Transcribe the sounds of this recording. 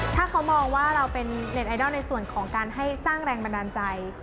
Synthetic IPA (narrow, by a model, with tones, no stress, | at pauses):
t̪ʰaː˥˩kʰa˦˥wmɔː˧ŋwaː˥˩ɾa˧wpe˧nːe˨˩t̪̚ʔa˧jdɔ˥˩na˧jsu˨˩ənkʰɔː˩˦ŋkaː˧nɦa˥˩jsaː˥˩ŋɾɛː˧ŋba˧ndaː˧nt͡ɕa˧j